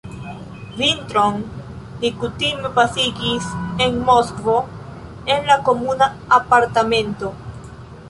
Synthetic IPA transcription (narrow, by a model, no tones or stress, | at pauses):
vint̪ɾoŋ | d̪ikut̪imepasiɡiseŋmoskvo | enlakomuna | apaɾt̪amẽnt̪o